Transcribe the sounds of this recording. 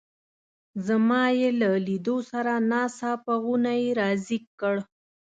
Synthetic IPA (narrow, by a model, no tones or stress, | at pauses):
zamɑjelalid̪osaɾanɑsɑpaɣunajeɾɑzikːəɽ